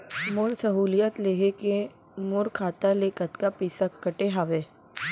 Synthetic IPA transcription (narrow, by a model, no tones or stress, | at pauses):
mʊɾsəɦuːlijət̪leːɦeke | mʊɾkʰaːt̪aleːkət̪kapiːsakːəʈeɦaːʋeː